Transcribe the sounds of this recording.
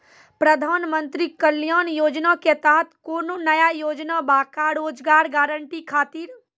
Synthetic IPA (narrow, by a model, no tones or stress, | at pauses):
pɾəd̪ʱaːnmə̃nt̪ɾikəljaːnjoːd͡ʒnaket̪aːt̪ʰkoːnonəjajoːd͡ʒnabaːkaɾoːd͡ʒɡaːɾɡaːɾəɳʈikʰaːt̪iːɾ